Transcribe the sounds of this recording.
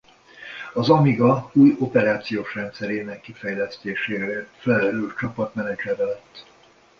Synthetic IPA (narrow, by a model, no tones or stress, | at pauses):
ɒzɒmiɡɒuːjo̞pɛɾaːt̪sijoːʃrɛnt̪sɛɾeːnɛkːifɛjlɛst̪eːʃeːɾefɛlɛlɛɾylt͡ʃɒpɒt̪mɛnɛd͡ʒɛɾɛlɛt̪ː